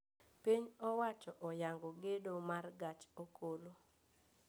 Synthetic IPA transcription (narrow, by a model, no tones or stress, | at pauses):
piɲɔwat͡ʃɔʔɔjaŋɡoɡedomarɡat͡ʃokolo